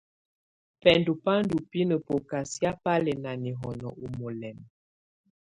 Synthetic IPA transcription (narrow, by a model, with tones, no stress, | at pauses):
pɛ˨ndu˨pa˦n˦du˨pi˦nə˨po˨ka˨sja˦pa˦lɛ˨na˨ni˨ɦɔ˨nɔ˨u˨mo˨lɛ˨m